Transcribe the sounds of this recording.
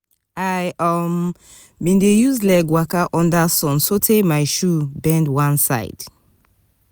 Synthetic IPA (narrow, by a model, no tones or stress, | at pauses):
ajʔɔm | bĩndejuzlakwakaʔɔ̃ndasɔ̃nsotʰemaɪʃubɛ̃ndwãnsa̰ɪd̥